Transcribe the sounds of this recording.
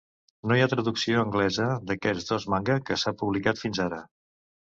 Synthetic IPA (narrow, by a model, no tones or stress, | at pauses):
nojat̪ɾəðuksioəŋɡlɛzəd̪əkɛd͡zd̪ozmaŋɡəkəsapuβlikat̪finzaɾə